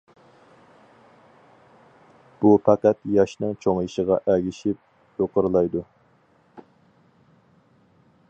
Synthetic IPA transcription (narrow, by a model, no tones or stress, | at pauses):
b̥upʰæqæt̪jɑʃnɨŋt͡ʃʰoŋiʃəʁɑʔɛɡʲiʃip̚ | joqəɾɨlˠɑjd̪u